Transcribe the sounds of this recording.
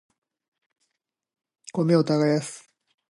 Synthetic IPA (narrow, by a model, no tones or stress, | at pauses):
komeot̪aɣajasɨ̥